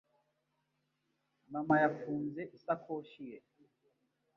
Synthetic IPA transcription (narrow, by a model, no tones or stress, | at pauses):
mamajafunzɛʔisakʰoːʃijɛ